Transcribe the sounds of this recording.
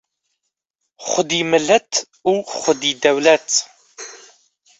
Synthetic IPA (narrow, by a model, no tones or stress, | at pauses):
χʷʊd̪iːmɨlɛt̪ʰ | uːχʷʊd̪iːd̪ɐwlɛt̪ʰ